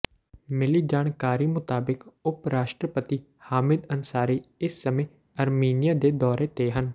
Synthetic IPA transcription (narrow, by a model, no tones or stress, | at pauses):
mɪliːd͡ʒaːnkaːɾiːmʊt̪aːbɪkʊpɾaːʃʈɾəpət̪iː | haːmɪd̪ənsaːɾiːɪsːəmẽː | əɾmiːnɪjaːd̪eːd̪ɔːɾeːt̪eːɦən